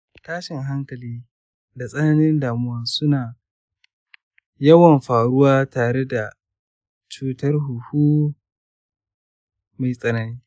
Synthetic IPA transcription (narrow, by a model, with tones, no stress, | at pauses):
taː˦ʃɪ˨ŋɦa˦ŋkɐ˨liː˦ | da˨sʼɐ˦na˦nɪ˦ndaː˨mʊ˦wɐ˦nsʊ˦naː˨ | jɐ˦wɐ˨mɸaː˨ɽʊ˦waː˦taː˨ɾe˦da˨ | t͡ʃuː˦tɐ˦rɦu˨huː˦ | ma˨jsʼɐ˨nɐ˦niː˦